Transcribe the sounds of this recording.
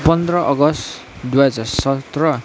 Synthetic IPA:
pʌnd̪ɾʌʔʌɡʌst | d̪wad͡zʌsʌt̪rʌ

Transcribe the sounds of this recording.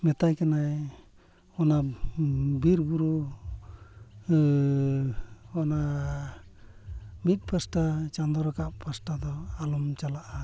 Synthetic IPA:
mɛt̪ajkanaj | ɔna | biɾbuɾu | ɔna | mit̪̚ˀpʰasʈat͡ʃand̪ɔɾɔkaʔpʰasʈad̪ɔalumt͡ʃalaʔa

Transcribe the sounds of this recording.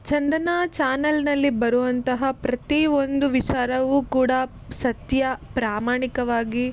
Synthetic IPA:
t͡ʃɐnd̪ɐnat͡ʃaːnɐlnɐlːibɐɾuʋɐnt̪ɐɦɐpɾɐt̪iond̪uʋit͡ʃaːɾɐʋukuːɽɐ | sɐt̪jɐpɾaːmaːɳikɐʋaːɡi

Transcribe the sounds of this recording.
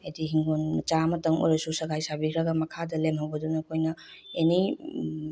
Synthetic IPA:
ɐjdiɦiŋɡonmɐt͡ʃamɐtɐŋo̰jɾɐsusɐɡajsabikʰɾɐɡɐmɐkʰadɐlemɦɐwbɐdunɐkʰojnɐ | eni

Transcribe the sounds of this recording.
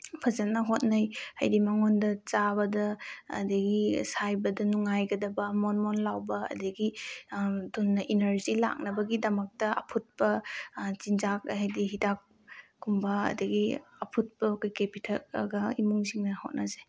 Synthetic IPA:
pʰɐzɐnɐɦot̚najha̰jdimaŋondɐt͡ʃabɐdɐ̰ːdɐɡisajbɐdɐnuŋajɡɐdɐbɐmɔnmonlawbɐɐ̰dɐɡi | dunːɐʔinɐɾzila̰k̚nɐbɐɡidɐmɐk̚tɐɐ̰pʰut̚pɐzinzak̚ɦajdiɦidak̚ː | umbɐ̰ːdiɡiɐpʰut̚pɐkʰojkepitʰalɐ̰ɡɐimuŋziŋnɐhot̚nʔaze

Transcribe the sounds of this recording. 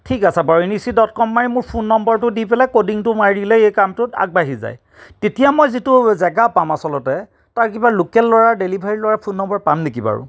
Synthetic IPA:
tʰikasɛbaɹinisidɔtkɔmːaɹimʊɹpʰunːɔmbɔɹtʊdipɛlɛkodiŋtʊmaɹilɛejkamtʊta̰ɡ̚baɦiza̰j | tetijamɔjzitʊzɛɡapamasɔlɔtɛ | taɹkibalokɛlːɔɹaɹdelibʱaɹilɔɹapʰunːɔmbɔɹpamnekiba̰ɹʊ̰

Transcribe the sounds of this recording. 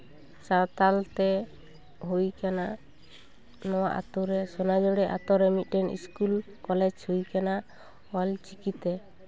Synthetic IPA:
saɾt̪alt̪ɛ | ɦujkana | nɔwaʔa̰t̪uɾɛsɔnad͡ʒɔɽɛʔa̰t̪ɔɾɛmit̪̚ˀdɛnḭskul | kɔlɛd͡ʒhujkana | walt͡ʃikit̪ɛ

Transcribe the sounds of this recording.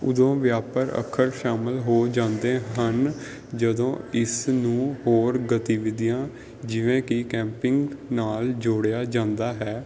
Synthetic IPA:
ʊ̰d̪õːʋjaːpəɾə̰kʰəɾʃaːmɪlɦoːd͡ʒãːnd̪eːɦən | d͡ʒəd̪õːɪsnũːɦoːɾɡət̪iːʋɪd̪ijãː | d͡ʒɪʋẽːkɪkɛ̃ːmpɪŋɡnaːld͡ʒʊɽjaːd͡ʒãːnd̪aːɦɛː

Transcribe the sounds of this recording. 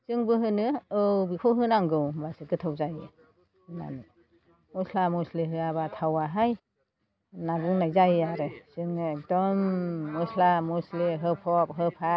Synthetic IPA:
sɯŋbɯɦɯnɯɯwbikʰowɦɯnaŋɡɯwbasɯɡɯtʰawzajɯ | ma̰n | mɔslamɔsleɦɯaβatʰawaɦaj | nabuŋnajzajaɾɯsɯŋɯek̚dɔmːɔslamɔsleɦɯpʰɔp̚ɦɯpʰa

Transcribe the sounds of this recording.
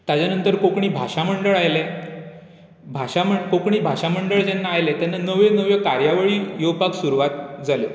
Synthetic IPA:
t̪at͡ɕjanənt̪əɾkokɳiːbʱaɕaməɳɖəɭajle | bʱaɕaməkokɳiːbʱaʂaməɳɖəɭd͡ʑɛnːaːjlɛt̪anːanəʋjenəʋjekaɾjaʋəɭiːjopaksuɾuʋat̪̚d͡zaljo

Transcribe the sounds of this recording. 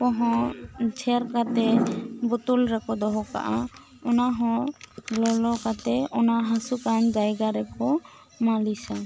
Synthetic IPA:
kɔ̃ɦɔ̃t͡ʃʰɛɾkat̪ɛbɔt̪ulɾɛkɔd̪ɔɦɔka̰ʔa | ɔnaɦɔ̃lɔlɔkat̪ɛɔnaɦasukand͡ʒajɡaɾɛpʰɔ | malisa

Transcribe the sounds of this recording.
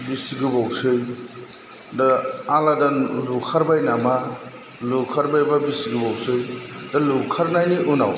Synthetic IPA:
bisiɡubawsɯj | daaladalukʰaɾbajnama | lukʰaɾbajbabisiɡubawsɯjd̥alukʰaɾnajniʔuna̰w

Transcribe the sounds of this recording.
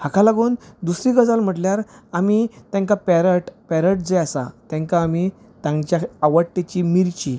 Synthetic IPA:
hakʰalaɡuːnd̪usɾiɡəd͡zalm̤əʈljaɾamit̪jãŋkapɛɾəʈpɛɾəʈd͡zəjasa̰t̪ãŋkaːmi | t̪ãŋɡt͡ɕjaaʋəʈːet͡ɕimiɾt͡ɕi

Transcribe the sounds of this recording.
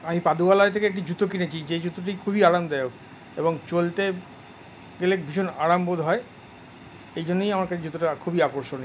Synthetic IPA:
amipad̪ualaet̪ʰekeek̚ʈ̬id͡ʑut̪ok̬inet͡ɕʰid͡ʑed͡ʑut̪ːoʈ̬ikʰubiaɾamd̪eok | ḛboŋt͡ɕolt̪e | ɡelekbʱiʃonaɾambod̪ʱɦɔe | ejd͡ʑonːejamaɾkat͡ɕʰed͡ʑut̪ːoʈakʰubiakoɾʃone

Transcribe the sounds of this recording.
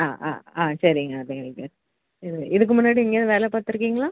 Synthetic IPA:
aːʔa̰ːaːsɐɾɪŋɡɐðiŋɡɐɭkɐ | ɪðɯɪðɯkːɯmʊnːaːɽiɛŋɡeðɯʋeːlɛpaːɾt̪ɪɾɯk̬ːiːŋɡɐɭaː

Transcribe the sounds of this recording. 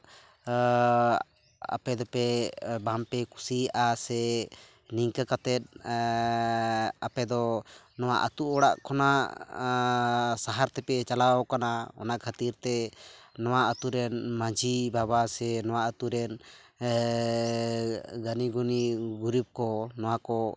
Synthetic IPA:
a̰pɛd̪ɔpɛbampɛkusiasɛ | niŋkakat̪ɛt̪̚ | apɛd̪ɔnɔwa̰ʔa̰t̪uʔɔɽa̰ʔkʰɔna | saɦaɾt̪ɛpɛt͡ʃalaɔkanaɔ̰naʔkʰat̪iɾt̪ɛːɔwaʔat̪uɾɛnmad͡ʒʱibabasɛnɔwaʔat̪uɾɛn | ɡaniɡuniɡuɾib̚kɔnɔwakɔ

